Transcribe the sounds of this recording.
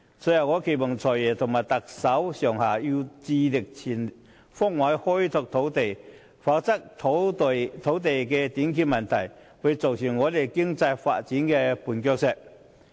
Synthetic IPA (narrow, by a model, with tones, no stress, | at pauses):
sɔ˧˥jɐ˨˩ŋɔː˨˧˥kʰe˨˩mʊ˨˩ŋt͡sʰɔː˨˩jɛː˨˩t̪ʰʊ˨˩ŋmaː˨˩jt̪ɐ˨k̚sɐ˨˥wsœː˨˩ŋhaː˨˩ji˧wt͡siː˧lɪ˨˩k̚t͡sʰiː˨˩n | fɔ˥˩ŋwa˨˥jhɔ˥jt̪ʰʊ˧k̚t̪ʰo˨˥wt̪e˨˩j | fa˨˧˥k̚t͡sɐ˥k̪̚ʰt̪ʰo˨˧˥wt̪e˨jkɛː˧t̪iː˨˥nkʰiː˧˥mɐ˨˩nt̪ʰɐ˨˩j | wu˨˧t͡so˨˩wsi˨˩nŋɔː˨˧t̪e˨˩jkɪ˥ŋt͡sɐ˧jfa̰ː˧t̚t͡siː˨˥nkɛː˧puː˨˩nkœ˧k̚sɛ˧t̚